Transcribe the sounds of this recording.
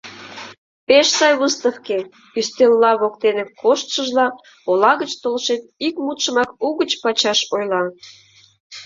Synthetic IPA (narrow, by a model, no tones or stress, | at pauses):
peʃsɑjβəst̪əfke | yst̪elːɑβokt̪enəkoʃt̪ʃəʒlɑ | olɑɣət͡ɕt̪olʃet̪̚ikmut̪ʃəmɑkuɣət͡ɕpɑt͡ɕɑʃojlɑ